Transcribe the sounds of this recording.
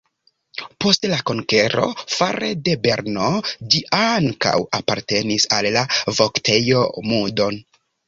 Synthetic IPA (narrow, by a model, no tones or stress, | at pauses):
po̞stlako̞ŋke̞ɾo̞̰faɾede̞be̞ɾnod͡ʒiʔaŋka̰wapaɾte̞nisalːavo̞ktʰe̞jo̞mudo̞n